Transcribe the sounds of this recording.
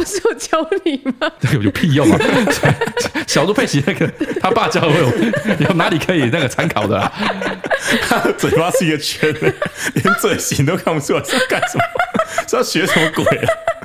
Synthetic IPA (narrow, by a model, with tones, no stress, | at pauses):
u˧˩ʂɻ̩˥˩jo˨˩t͡ɕjɑ˥ʊli˨˩ma˧na˥˩˨o˥˧pʰi˥˧jo˥˩ʊma˨sɕjɑ˨ʊlu˥˧pʰe˥˩ɪɕi˧˥na˥˩ɡə˩t̪ʰa˥pa˥˧t͡ɕjɑ˧˩˧jo˨˩jo˥˩na˧˦li˨˩kʰə˧˦˥i˨˩na˥˩ɡə˩t͡sʰa˧˥nkʰɑ˨˩ʊd̪ə̰˦lɐ̰˦ | t̪ʰa˥˧t͡swɛ˨˩ɪfa˥ʂɻ̩˥˧i˧˥ɡə˧t͡ɕʰɥɛ˧˥n˧ljɛ˧˦˥nt͡swe˥˩ɪɕi˨˩nt̪̬o˥ʊkʰa˥˧ŋpu˧˩swɕka˥˩nʂə˧˦mə˧ɔ˥ɑ˥˩ɕɥɛ˧˥ʂə˨˦mə˧kwe˨˩˨ɪlə˨˩